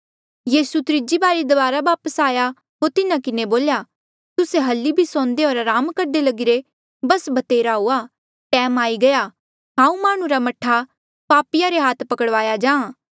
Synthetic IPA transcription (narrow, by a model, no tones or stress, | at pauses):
jiːsut̪ɾɪd͡ʒibaːɾid̪ɐbaːɾabaːpəsaːja | ɦoɾt̪ɪnãkɪneboːlja | t̪ʊseɦɐlːibʱisɔ̃ːnd̪eoːɾaɾaːmkɐɾd̪elɐɡiɾe | bɐsbɐt̪eːɾaɦuːa | ʈɛ̃ːmaːiɡɐja | ɦãːũmaːɽ̃ũɾamɐʈʰa | paːpɪjaɾeɦaːt̪ʰpɐkəɽʋaːjad͡ʒãː